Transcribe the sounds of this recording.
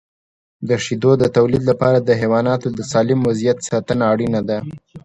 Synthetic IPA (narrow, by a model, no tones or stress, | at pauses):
d̪əʂid̪od̪ət̪awlid̪lapɑɾad̪əɦewɑnɑt̪od̪əsɑlɪmwazijat̪sɑt̪ənaːɽinad̪a